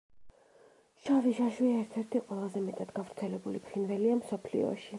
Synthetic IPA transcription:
ʃaviʒaʃwiaɛɾt̪ʰɛɾt̪ʰiqʼwɛlˠazɛmɛt̪ʼad̪ɡavɾt̪sʰɛlɛbulipʰχinvɛliamsɔpʰlḭɔ̰ʃi

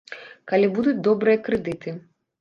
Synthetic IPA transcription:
kalʲibud̪ut͡sʲd̪ɔbɾɨjɐkɾɨd̪ɨt̪ɨ

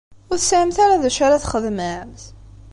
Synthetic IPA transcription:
ʊɾsəʕəmθaɾaðæʃaɾaθχəðmæmθ

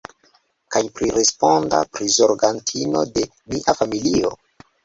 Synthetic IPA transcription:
kajpɾiɾe̞spo̞nda̰pɾizo̞ɾɡantʰino̞̰de̞ | miʔafamilio̞̰

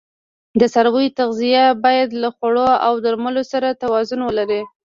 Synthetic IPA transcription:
d̪əsaɾwəjt̪aɣzijabɑjad̪laxaɽoawd̪əɾməlosaɾat̪awɑzʊnwəlaɾi

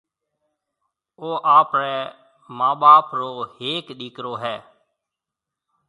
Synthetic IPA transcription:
oːʔaːpɾɛː | mãːɓaːpɾoːheːkɗiːkɾoːɦɛː

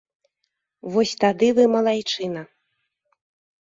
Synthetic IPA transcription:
vɔsʲt̪ad̪ɨvɨmɐlˠajt͡ʂɨnɐ

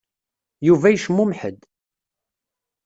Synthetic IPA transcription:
juvæjʃəmːʊmħə̰d̪

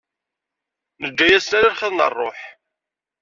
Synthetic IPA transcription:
nəd͡ʒːæjæsnæɾaɾχəðˤnə̰rˤːoħ

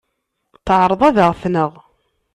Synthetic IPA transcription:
θəʕɾˤəðˤæðəʁθnəʁ

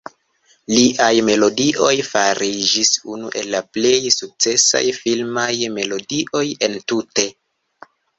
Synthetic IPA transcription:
liʔajme̞lo̞diʔo̞jfaɾʔid͡ʒisunṵʔe̞lːaple̞jsuk̚t͡se̞sa̰jfilmajme̞lo̞diʔo̞je̞ntute̞

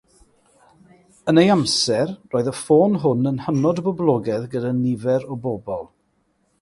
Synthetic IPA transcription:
ənejamsɛrroːɨðəfoːnɦʊnənhənɔdbɔblˠɔɡɛðɡədanɪvɛɾɔbɔbɔlˠ

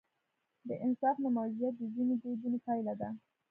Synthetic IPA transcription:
d̪əʔɪnsɑfnamawzijat̪̚d̪əzined̪ezunepajlad̪a

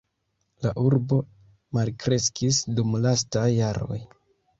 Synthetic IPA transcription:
laʔuɾbo̞ | malkɾe̞skisdumlas̬tajːaɾo̞̰j

